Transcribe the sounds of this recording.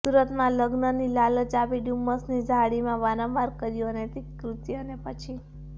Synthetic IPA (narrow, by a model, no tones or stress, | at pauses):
suɾət̪mãləɡnənilalət͡ʃapiɖuməsnid͡ʒʱaɽimãʋaɾə̃maɾkəɾjonet̪ikɾut̪jonepət͡ʃʰi